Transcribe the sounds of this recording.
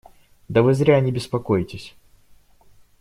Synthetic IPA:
d̪ɐvɨzɾʲanʲɪbʲɪspɐkojtʲɪsʲ

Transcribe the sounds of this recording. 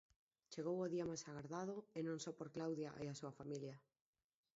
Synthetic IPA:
t͡ʃeɣowoðiamajsaɣaɾðaðoenõŋsɔpoɾklawðjaʔeasuafamilja

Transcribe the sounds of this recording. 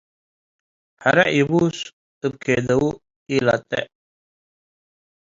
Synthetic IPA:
hɐɾɐʔibuːs | t̪ɨb̚kʰed̪ɐu | ila̰t̪ḛ

